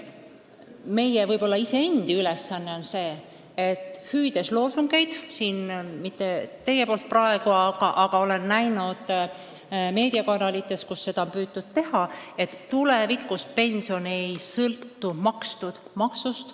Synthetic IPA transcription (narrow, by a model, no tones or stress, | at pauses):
me̞jevɤjbo̞lːɑise̞end̪̥iylɛsːɑnːeo̞nse̞ː | et̪ːˑhyːd̪̥e̞slo̞ːsuŋɡ̥e̞jd̪̥siːnmit̪ːe̞t̪e̞jepo̞ːlt̪̚prɑe̞ɡ̥uɑɡ̥ɑʔɑɡ̥ɑo̞lenːæjnud̪̥ | me̞ːd̪̥iɑkɑnɑlit̪ːˑe̞skusːe̞d̪̥ɑonpyːt̪ːud̪̥̚t̪e̞hɑe̞t̪ːulevikːˑuspe̞nʲsio̞ne̞jsɤlt̪ːumɑkst̪ud̪̥mɑksust̪